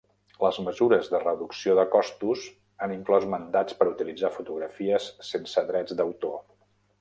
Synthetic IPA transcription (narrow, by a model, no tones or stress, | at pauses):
ləzməzuɾəzðərəðuksioðəkɔst̪uz | aniŋklɔzmənd̪at͡spəɾut̪ilid͡zafut̪uɣɾəfiəsːensəðɾɛd͡zd̪əwt̪o